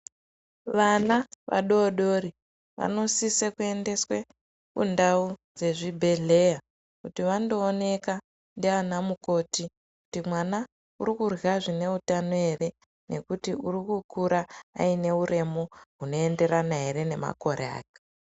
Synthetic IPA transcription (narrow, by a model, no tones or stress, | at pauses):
ʋanaʋʔa̰ɗo̞ɗo̞ɾi | ʋa̰no̞sisekue̞nde̞swe | kṵndaud͡ze̞ʐibʱe̞ɮe̞ja | kutiʋando̞ːne̞ka | ndianamuko̞ti | ku̥timwana | uɾikurɣaʐine̞utanoe̞re̞ | ne̞kutiuɾikukuɾa̰ːine̞uɾe̞moɦuno̞ende̞ɾanaɦe̞ɾe̞ne̞ma̰ko̞ɾʔḛa̰ːke̥